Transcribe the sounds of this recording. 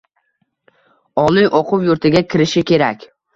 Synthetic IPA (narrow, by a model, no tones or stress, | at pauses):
ɒlˠɪjʔɒqʰʊwjʊɾt̪ʰɪɡʲakʲʰɪɾɪʃɪkʲʰe̞ɾakʲ